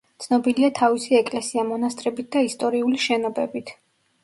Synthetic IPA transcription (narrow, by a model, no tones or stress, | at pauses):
t̪sʰnɔbiliat̪ʰavisiɛkʼlɛsiamɔnast̪ʼɾɛbit̪̚d̪aist̪ʼɔɾiuliʃɛnɔbɛbit̪ʰ